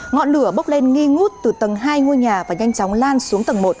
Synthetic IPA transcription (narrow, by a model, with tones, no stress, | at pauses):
ŋɔ̰˧˨nlɨ˧˩əɓə˦˥wk͡p̚le˧nŋi˧ŋu˦˥t̚t̪ɨ˨˩t̪ə˨˩ŋɦaː˧jŋu˧jɲaː˨˩vaː˨˩ɲa˧jŋt͡ɕɔ˨˦wŋ͡mlaː˧nsu˨˦əŋt̪ə˨˩ŋmo˨˩t̚